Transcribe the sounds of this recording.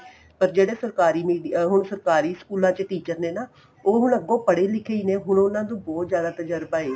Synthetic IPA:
pəɾd͡ʒeːɽeːsəɾkaːɾiːmiːɖiɦʊɳsəɾkaːɾiːskuːlãːt͡ʃəʈiːt͡ʃəɾneːnaː | oːɦʊɳəɡːõːpəɽeːlɪkʰeiːneːɦʊɳʊnãːd̪õːbɔːt̪zjaːd̪aːt̪əd͡ʒəɾbaːeː

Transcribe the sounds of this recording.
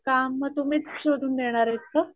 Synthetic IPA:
kamːət̪umiːt͡sɕoɽuːnd̪eɽ̃aɾet̪kə

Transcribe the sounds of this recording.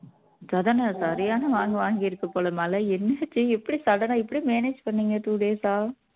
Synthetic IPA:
sɐðɐnɐsɐɾɪjaːnɐʋaːŋɡɐʋaːŋɡɪɪɾɯkːɐpoːlɐmaːlɐɛnːɐt͡ʃːiɛpːɐɽisɐɽɐnãɛpːɐɽimeːneːd͡ʒpɐɳːiːŋɡɐt̪uːɽeːsaːɾ

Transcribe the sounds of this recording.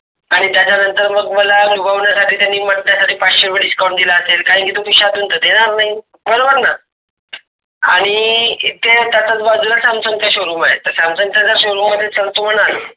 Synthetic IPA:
aɽ̃it̪jat͡ɕanənt̪əɾməɡməlanubaʋɳjasaʈʰiːt̪janːiːməʈnjasaʈʰiːpaɕəɾʋeɽiskawɳʈd̪ilaəselkaɦikit̪okuɕat̪unt̪əːd̪eɽ̃aɾnaɦi | bəɾobəɾna | aɽ̃it̪et̪jat͡sat͡sbad͡zulasamsənt͡ɕaɕoɾuːmaɦḛt̪ːəɾsamsənt͡ɕat͡saɕoɾuːmːəd̪ʱːjet͡səlt̪um̤əɽ̃al

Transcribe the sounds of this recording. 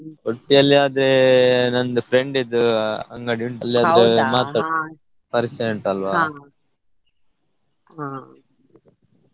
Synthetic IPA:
oʈːijɐlːiaːd̪ɾenɐnd̪upʰɾeɳɖid̪uɐŋɡɐɽiuɳʈɐlːiɐd̪ɾemaːt̪ːa | pɐɾisɐjɐɳʈɐlʋaː

